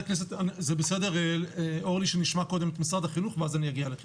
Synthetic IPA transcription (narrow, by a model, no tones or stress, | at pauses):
knes̬et̪anizebesedeʁeloʁliʃeniʃmakode̞met̪misad̪aχinuχveazanijaɡialek